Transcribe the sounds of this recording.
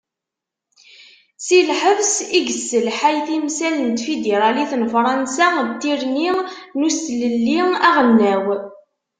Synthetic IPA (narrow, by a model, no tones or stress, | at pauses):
silħəvsiɡəsːəlħajθimsælənt̪fid̪eɾˤɑliθnfɾˤɑnsat̪ːiɾninust̪ləlːiæʁənːæw